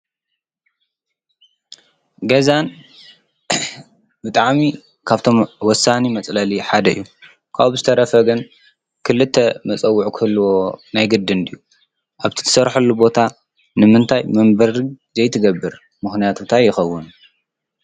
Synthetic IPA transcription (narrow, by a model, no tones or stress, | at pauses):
ɡɐzan | bɨt̪ʼaʕmi | kʰaβt̪ʰo̞mwɔsːanimɐt͡sʼlɐliħad̪ɐḭjːu | kʰaβzɨt̪ʰɐɾɐfɐɡɨn | kʰɨlɨt̪ʰːɐmɐt͡sʼɐwːʊʕukʰɨhɨlːwo̞najɡɨd̪ɨnd̪ijːu | ʔaβt̪ʰi̥t̪ʰɐ̥sɐɾħulːubo̞t̪ʰa | nɨmɨnt̪ʰajmɐmbɐɾi | zɐjt̪ʰɨɡɐbːɨɾ | mɨxnijat̪ʰut̪ʰajːɪxɐwːɨn